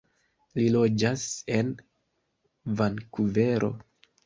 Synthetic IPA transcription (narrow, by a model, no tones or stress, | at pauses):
lilo̞d͡ʒase̞n | vankuve̞ɾʔo̞̰